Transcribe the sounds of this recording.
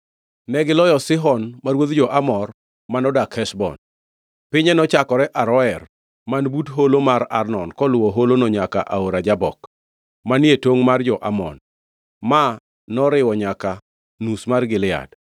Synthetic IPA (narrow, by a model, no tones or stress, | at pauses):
nɛɡɪlɔjɔsɪɦɔnmaɾwod̪d͡ʒɔʔamɔr | manɔdakhɛsbɔ̰n | pɪɲɛnɔt͡ʃakɔɾɛʔaɾɔɛr | manbutɦolomaɾarnɔnkɔlwɔɦolonoɲakaʔaoɾad͡ʒabɔ̰k | manetoŋmard͡ʒɔʔa̰mɔ̰n | ma | nɔɾɪwɔɲaka | nusmarɡɪlɪa̰d